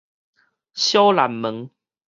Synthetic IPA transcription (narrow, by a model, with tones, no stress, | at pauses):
ɕjo˦la˨˦mːə˨˦ŋ